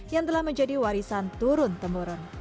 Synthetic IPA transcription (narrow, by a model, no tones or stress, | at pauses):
jaŋt̪əlahməɲd͡ʒadiwaɾisant̪uɾʊnt̪əmboɾɔn